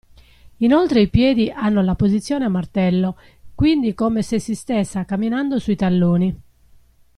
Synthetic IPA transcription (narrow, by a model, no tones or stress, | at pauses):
inolt̪ɾeipjɛːd̪iʔanːolapozit̪sːjɔːneamːart̪ɛlːo | kwind̪ikomesesːist̪ɛsːakamːinand̪osuit̪alːoːni